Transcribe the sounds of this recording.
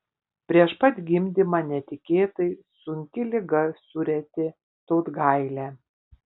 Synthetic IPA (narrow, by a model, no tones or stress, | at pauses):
pʲɾʲiɛʃpɐt̪ʲɡʲɪmʲd̪ʲɪmɑːnʲɛt̪ʲɪkʲeːt̪ɐɪsʊŋʲkʲɪlʲɪɡɐsʊɾʲɛt̪ʲɪ | t̪oːt̪ɡɐɪlʲæː